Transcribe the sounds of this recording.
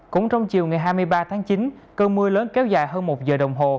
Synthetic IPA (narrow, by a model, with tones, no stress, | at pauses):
kʊ̰˧˥ŋ͡mt͡ɕɔ˧wŋ͡mt͡ɕi˨˩əwŋa˨˩jɦaː˧jmɨ˧əjɓaː˧t̪ʰaː˨˦ŋt͡ɕi˨˦nkəː˧mɨ˧əjləː˨˦nkɛ˨˦wzaː˧˩jɦəː˧nmo˨˩t̚zəː˨˩ɗə˨˩wŋ͡mɦo˨˩